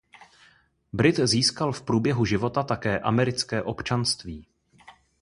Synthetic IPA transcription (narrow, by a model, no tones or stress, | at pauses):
bɾɪt̪ziːskalfpɾuːbjɛɦuʒɪvo̞t̪at̪akɛːʔa̰mɛɾɪt͡skɛːʔo̞pt͡ʃanst̪viː